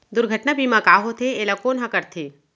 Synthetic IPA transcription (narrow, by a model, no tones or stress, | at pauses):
d̪ʊɾɡʱəʈnabiːmãkaːɦot̪ʰeeːlakoːnɦãkɐɾt̪ʰeː